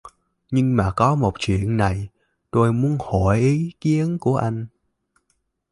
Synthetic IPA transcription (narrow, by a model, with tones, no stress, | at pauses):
ɲɨ˧ŋmaː˨˩kɔ˨˦mo˨˩t̚t͡ɕwḭ˧˨ənːa˨˩j | t̪o˧jmu˨˦ənho˧˩˨jʔi˨˦ki˨˦ənku˧˩əʔa˧jŋ̟